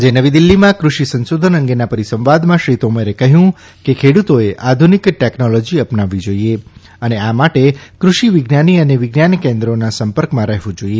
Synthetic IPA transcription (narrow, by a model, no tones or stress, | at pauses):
d͡ʒenəʋid̪ilːimãkɾuʃisənsod̪ʱənəŋɡenapəɾisə̃mʋad̪mãʃɾit̪oməɾekəɦjũ | kekʰeɽut̪oeʔad̪ʱunikʈeknɔlɔd͡ʒiəpnaʋːid͡ʒoie | əneamaʈekɾuʃiʋɪɡnaniəneʋɪɡnankẽnd̪ɾonasəmpəɾkmãɾɛɦʋũd͡ʒoie